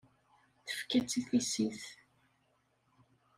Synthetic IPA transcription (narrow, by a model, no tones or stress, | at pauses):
θə̥fkæt͡sːiθisiθ